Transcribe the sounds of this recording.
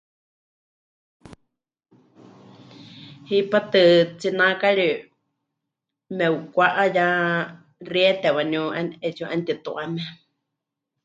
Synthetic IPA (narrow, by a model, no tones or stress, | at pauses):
hipat̪ɨt͡sinakaɺi | mɛukʷaʔaja | riɛt̪ɛwaniuʔanɛt͡ʃuʔant̪it̪ṵʔamɛ